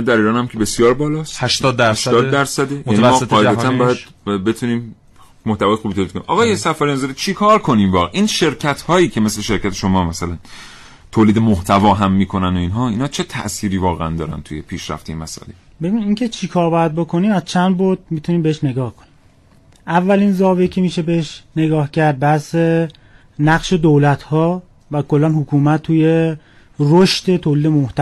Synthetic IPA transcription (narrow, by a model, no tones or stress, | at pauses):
ænd̪æɾiːɾɒːnhæmkʲʰebe̞sjɒːɾbɒːlɒːst̪hæʃt̪ɒd̪ːæʃt̪ɒːd̪d̪æɾsæd̪ejænimɔːɒːʔeæt̪ænbɒːjæd̥̪ | be̞t̪ʰuniːm | moht̪ævɒːjexubit̪ʰolikonimʔɒ̰ːɣɒːjesæfæɾjɑnzeɾit͡ʃʰikʰɒːɾkʰo̞niːmvɒːɣeʔiːnʃe̞ɾcʰæt̪hɒːjiːcʰe̞me̞sle̞ʃe̞ɾcʰæt̪ʰeʃo̞mɒːmæsælæn | t̪ʰoːliːd̪emoht̪ʰævɒːɦæmːiːkʰo̞næno̞iːnɦɒːinhɒːt͡ʃʰe̞t̪ʰæ̰ʔsiːɾiːvɒːɣeænd̪ɒːɾæ̰nt̪ʰuje̞pʰiːʃɾæ̰ft̪ejemæsɒ̰ːlḛ | bebiniːŋcʰet͡ʃʰikʰɒːɾbɒːjæd̪̚bo̞kʰo̞niːmæz̥t͡ʃʰænd̪boɾd̪̚mit̪ʰuniːmbeeʃne̞ɡɒːhkʰonim | ʔævːælinzɒːvecʰemiːʃe̞beeʃneɡɒːhcʰæɾd̪̚bæhse | næɣʃe̞d̪owlæt̪ʰhɒː | vækʰo̞lːænhokʰuːmæt̪ʰːuːje | roʃt̪e̞t̪ʰoːliːd̪emoht̪æ